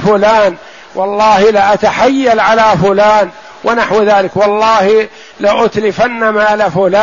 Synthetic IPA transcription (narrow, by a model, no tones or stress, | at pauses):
fʊlaːn | wʔɑlˤːɑːhilɪʔat̪aħajːalʕalafʊlaːn | wʔɪnaħwðaːlɪkwɑlˤːɑːhi | laʔʊt̪lɪfanːamaːlafʊlaː